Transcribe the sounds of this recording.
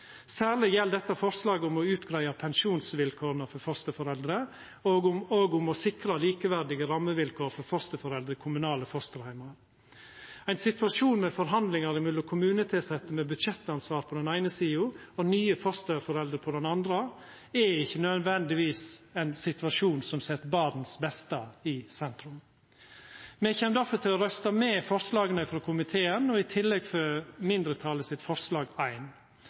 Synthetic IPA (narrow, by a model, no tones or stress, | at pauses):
sæːɾlɪjɛld̪ɛt̪ːəfɔɾslɑːɡəʊmɔʉːt̪ɡɾæɪɑpʰɛnʃuːnsʋɪlkʰoːɾənəfɔɾfɔɾst̪əfɔɾɛld̪ɾə | oːɡoːɡʊmɔsɪkɾəliːkəʋæɾɖɪɡəɾɑmːəʋɪlkʰoːɾfɔɾfɔɾst̪əfɔɾɛld̪ɾəkʰʊmʉnɑːləfɔɾst̪əɾhæɪmɑɾ | æɪnsɪt̪ʋɑʂuːnmɛfɔɾɦɑnd̪lɪŋɑɾɪmɪlːʊkʰʊmʉːnət̪ʰɪsɛt̪ːəmɛbʉd̪ʃɛt̪ːɑnsʋɑːɾpʰɔd̪ɛnæɪnəsiːʊ | ɔnyːəfɔɾst̪əfɔɾɛld̪ɾəpʰɔd̪ɛnɑnd̪ɾə | ɛɪçːənød̪ʋɛnd̪ɪʋiːsɛɪnsɪt̪ʋɑʂuːnsɔmsɛt̪ːbɑd̪n̩sbɛst̪əɪsɛnt̪ɾʉm | mɛçɛmd̪æɾfɔɾt̪ɪlɔɾœst̪ɑmɛːfɔɾslɑːɡənəɪfɾoːkʰʊmɪt̪ʰeːənɔɪt̪ʰɪlːɛɡfɔɾmɪnd̪ɾət̪ʰɑːləsɪt̪fɔɾslɑːɡæɪn